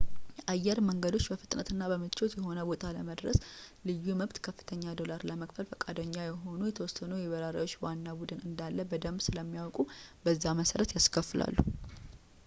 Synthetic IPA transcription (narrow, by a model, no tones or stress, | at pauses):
jʔajːɛɾməŋɡəd̪o̞t͡ʃːbəfɨt̪ʼnət̪ʰɨnːabəmɨt͡ʃːot̪jɛɦo̞nəbo̞t̪ʼʰaləməd̪ɾəslɨjːuməβt̪kʰəfːɨ̥t̪ʰəɲːad̪o̞laɾləməkfəlfəkʼad̪əɲːajɛɦo̞nujɛt̪ʰəwɔsːənujɛβəɾaɾa̰wo̞t͡ʃːwanːabud̪ɨnɨnd̪alːəbəd̪əmbsɨləmːijawkʼubəzːaməsəɾət̪jaskʰəfɨlʔa̰lːu